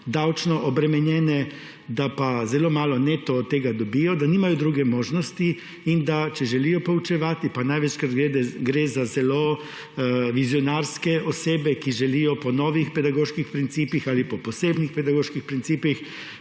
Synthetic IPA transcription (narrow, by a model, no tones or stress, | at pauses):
d̪awt͡ʃnɔʔɔbɾɛmɛnjɛːnɛ | d̪apazɛloːmaːlɔnet̪ɔt̪ːeːɡad̪ɔbijɔd̪aniːmajɔd̪ɾuːɡɛmoːʒnɔst̪i | ind̪at͡ʃɛʒɛliːjɔpɔwt͡ʃɛʋaːt̪ipanajʋɛt͡ʃkat̪ɡɾed̪ɛɡɾezazɛlo | ʋizjɔnaːɾskɛɔseːbɛkiʒɛlijɔpɔnɔːʋixpɛd̪aɡoːʃkixpɾint̪siːpixalipɔpɔseːbnixpɛd̪aɡoːʃkixpɾintsiːpix